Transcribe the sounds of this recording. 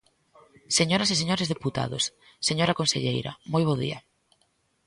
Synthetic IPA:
seɲoɾaseseɲoɾezðeput̪a̰ðo̰s | sːeɲoɾakonsḛʎejɾa̰mojβ̞oðḭɐ

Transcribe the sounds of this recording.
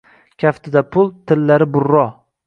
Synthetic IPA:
kʲʰaft̪ɪd̪apʰʊlˠt̪ʰɪlːaɾɪbʊɾːɒ

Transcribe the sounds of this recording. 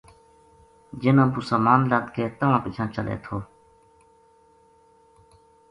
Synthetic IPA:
d͡ʒɪnãːpusaːmaːnlaːt̪keːt̪əʋãːpɪt͡ʃʰãːt͡ʃəlḛːt̪ʰoː

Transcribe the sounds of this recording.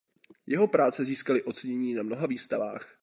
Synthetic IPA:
jɛɦo̞pɾaːt͡sɛziːskalɪʔo̞t͡sɛɲɛɲiːnamno̞ɦaviːst̪ava̰ːx

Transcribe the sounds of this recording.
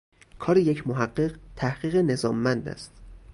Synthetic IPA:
kʰɒːɾejecʰmoɦæɢːeɢt̪ʰæhɢ̥iːɣene̞zɒːmːænd̪æ̰st̪

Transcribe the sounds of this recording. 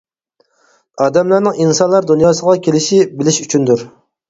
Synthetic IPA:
ɑːd̪ɛmlˠɑɾnɨŋinsɑnlˠɑɾd̪unjɑːsəʁɑkʲʰelɪʃibɪlɪʃyt͡ʃʰynd̪uɾ

